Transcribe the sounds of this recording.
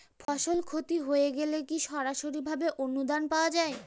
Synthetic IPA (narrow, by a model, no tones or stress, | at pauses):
fʰɔʃolkʰot̪iɦoeɡelekiʃɔɾaʃoɾibʱabeʔonːud̪anpaoad͡ʑae